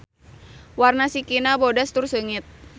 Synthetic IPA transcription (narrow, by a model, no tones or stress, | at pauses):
warnasikinabodast̪ʊrsəŋɪt̪̚